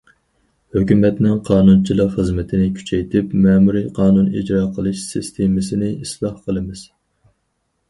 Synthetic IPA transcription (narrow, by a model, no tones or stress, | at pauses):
høkʲymɛt̪nɪŋqʰɑːnunt͡ʃʰilˠəqχəzmɪt̪ʰɪnɪkʲʰy̥t͡ʃʰɛjt̪ʰɪpmɛːmuɾijqʰɑːnunḭd͡ʒɾɑːqʰəlˠɨʃsɪst̪ʰemɪsɪnɪislˠɑhqʰəlˠɨmɪz̥